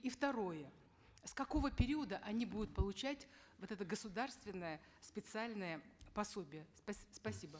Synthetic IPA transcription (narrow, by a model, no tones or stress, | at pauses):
ift̪ɐɾo̞jə | skɐko̞vəpʲɪɾʲiəd̪əʔɐnʲibud̪ʊt̪̚pəlˠʊt͡ɕætʲ | vot̪ɛt̪əɡəsʊd̪arst̪vʲɪnːəjə | spʲɪt̪sɨalʲnəjəpɐsobʲɪjəspɐspɐsʲibə